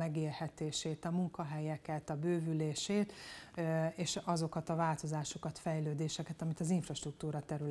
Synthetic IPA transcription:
ɛɡeːrhɛt̪eːʃeːt̪ɒmuŋkɒɦɛjɛkɛt̪ɒbøːvyleːʃeːt̪ | eːʃɒzo̞kɒt̪ɒvaːlt̪o̞zaːʃo̞kɒt̪fɛjløːd̪eːʃɛkɛt̪ɒmit̪ɒziɱfrɒʃt̪ruk̚t̪uːɾɒt̪ɛɾyl

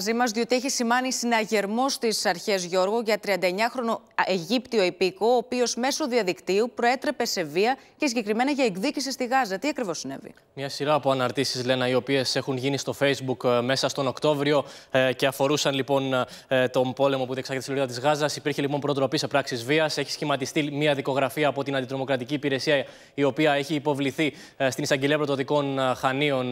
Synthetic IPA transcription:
zimɐzðio̞t̪ieçisimɐnisinɐʝe̞ɾmo̞st̪isɐɾçezʝo̞ɾɣuʝɐt̪ɾiɐnd̪ɐeɲɐxɾo̞no̞ | e̞ʝipt̪io̞ipikoːpio̞zme̞so̞ðiɐðikt̪iupɾo̞e̞t̪ɾe̞pe̞se̞viɐ | cesiɲɟe̞kɾime̞nɐʝɐeɡðicis̬ist̪iɣɐzɐt̪iɐkɾivo̞sine̞̰vḭ | mɲɐsiɾɐːpoɐnɐɾt̪isizle̞nɐio̞pie̞se̞xunʝinist̪o̞fe̞jzbukme̞sɐst̪o̞no̞kt̪o̞vɾio̞ce̞ɐfo̞ɾusɐnlipo̞n | t̪o̞mpo̞le̞mo̞puðesɐɣet̪siloɾiðɐt̪izɣɐzɐsipiɾçelipo̞mpɾot̪ɾo̞pisepɾɐksizviɐse̞çi̥sçimɐt̪ist̪imiɐðiko̞ɣɾɐfiɐːpo̞t̪inɐnd̪it̪ɾo̞mo̞kɾɐt̪iciːpiɾe̞siɐ | io̞piɐe̞çiːpo̞vliθi | st̪inisɐɲɟeliɐpɾt̪ot̪iko̞nxɐnio̞n

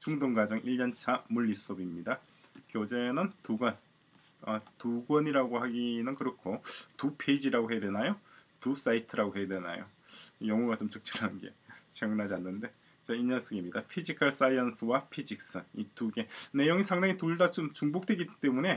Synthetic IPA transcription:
t͡ɕuŋdoŋɡad͡ʑʌŋʔiʎːʌnt͡ɕʰamuʎːisʰuʌbimɲida | kjod͡ʑe̞nɯntuɡwʌn | atuɡwʌɲiɾaɡohaɡinɯnkɯɾʌkʰotupʰe̞d͡ʑiɾaɡoɦejadwenajotus͈aitʰɯɾaɡoɦe̞jadwe̞na̰jo̰ | jʌŋuɡat͡ɕomt͡ɕɯk̚t͡ɕ͈ʰɯɾanɯnɡe̞̰ɕʰiŋɯnɦad͡ʑianːɯnde̞ | t͡ɕaiɲʌns͈ʰɯɡemɲidapʰid͡ʑikʰaɭs͈aiʌnsʰɯwapʰid͡ʑik̚s͈ɯituɡe̞ne̞joŋisʰaŋdaŋitoɭdat͡ɕomt͡ɕuŋbok̚t͈we̞ɡit͈e̞mune̞

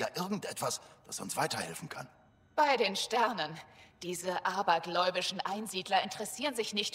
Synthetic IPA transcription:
ja̰ːʔɪɐɡŋ̩tʔɛtv̥asd̥asʊ̰nsv̥aɪtɐhɛ̰lfn̩kʰa̰n | b̥aɪɾeːnʃtɛɐnənd̥iːzəʔaːbɐɡlɔʏbɪʃn̩ʔaɪnziːdlɐɪntəʁɛsiːʁənzɪçnɪçt

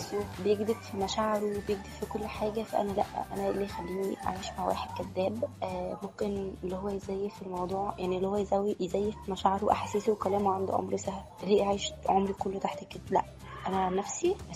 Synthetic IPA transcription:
swebejeɡd̪ebfimæʃæːʕeɾuwebejeɡ̚d̪ebfikolːħaːɡæfæ̰ʔæ̰nælæ̰ʔʔæ̰næliːjxælːiːniʔa̰ʕiːʃmaʕwæ̰ːħed̪̚kæd̪ːæːbʔːmomkenlːihowːæjezæjːefelmɑwd̪ˤuːʕjaʕnilːihowːæjezæwijezæjːefmæʃaʕeɾuʔæħasiːsuwekælæːmuʕand̪ṵʕo̰mɾwsæhlliːʔʕaːjʃʕomɾikolːet̪aħt̪ekːed̪læ̰ʔ | ʔænænæfsi

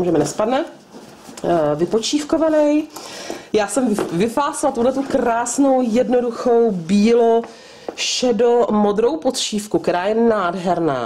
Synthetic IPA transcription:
muʒɛmɪnɛspadnɛ | vɪpot͡ʃiːfkovanɛj | jaːsɛmvɪfaːsɪlat̪uɦlɛt̪ukɾaːsno̞wjɛdno̞duxo̞wbiːlo | ʃɛdomo̞d̪ɾo̞wpot̪ʃiːfkukt̪ɛɾaːjɛnaːdɦɛɾna̰ː

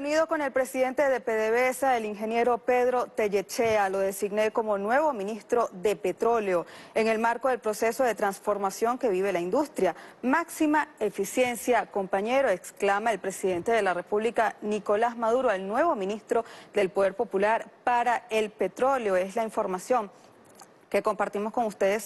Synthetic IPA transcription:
uniðo̞ko̞ne̞lpɾe̞siðe̞nt̪e̞ðepeðeβesaeliŋxe̞nje̞ɾo̞peðɾo̞t̪e̞ʝe̞t͡ʃe̞alo̞ð̞e̞siɡne̞ko̞mo̞nwe̞βo̞mĩnist̪ɾo̞ðe̞pet̪ɾo̞leo̞e̞ŋe̞lmaɾko̞ðe̞lpɾo̞se̞so̞ðe̞t̪ɾansfo̞ɾmasjo̞ŋke̞βiβ̞e̞laind̪ust̪ɾjamaksimae̞fisje̞nsjako̞mpaɲe̞ɾoeksklamaelpɾe̞siðe̞nt̪e̞ð̞e̞lare̞puβlikaniko̞lazmaðuɾo̞elnwe̞βo̞mĩnist̪ɾo̞d̪e̞lpo̞ðe̞ɾpo̞pulaɾpaɾae̞lpe̞t̪ɾo̞ljo̞e̞slaiɱfo̞ɾmasjo̞ŋ | ke̞ko̞mpaɾt̪imo̞sko̞ŋust̪e̞ðes

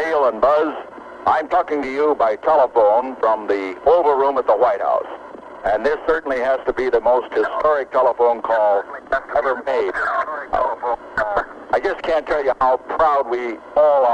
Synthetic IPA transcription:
eɪlˠə̃nbʌz | ʔãɪ̃mtʰɔkɪ̃ŋtɨjɨbaɪtʰɛlˠəfõʊ̃nfɹʌ̃mðioʊvə˞ɹũmət̪̚ðəwaɪt̚ha̰ʊs | ɨ̃nðɪsɜ˞ʔn̩lihæz̥təbiðɨmoʊst̚hɨstɔɹɪk̚tʰɛlˠəfõʊ̃nkʰɔlˠɛvə˞meɪd | aɪd͡ʒʌskʰæ̃ntʰɛlˠjɨhaʊpʰɹ̥aʊd̚wi | ɔlˠə

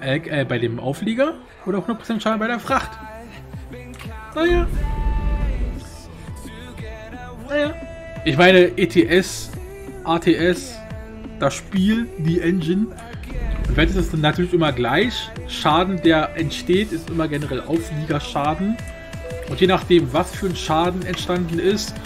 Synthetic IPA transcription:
ʔɛʔɛːbaɪdeːmʔa̰ʊfleːɡɐ | ʔoːdɾɐaʊhnuɐpʁosɛnʃaːdn̩baɪɾeːɐfʁ̥aχt | najaː | najaː | ʔɪçmaɪnəʔeːtʰeːʔɛs | ʔaːtʰeːʔɛs | d̥asʃpiːldiːʔɛnd͡ʒɪn | ʔʊntvasɛsɛsnatʰyːɐlɪçʔɪmɐɡlaɪçʃaːdn̩deːɐʔɛntʃteːtɪstʔɪmɐɡɛnəʁɛlʔaʊfliːɡɐʃaːdn̩ | ʔʊntjeːnaχd̥eːmvasfyːɐnʃaːdn̩ɛntʃtandn̩ɪst

